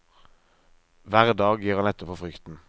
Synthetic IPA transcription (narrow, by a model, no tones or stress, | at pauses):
ʋæːʁəd̪ɑːɡjiːʁɑnɛt̪ːəpʰɔfʁʏkt̪n̩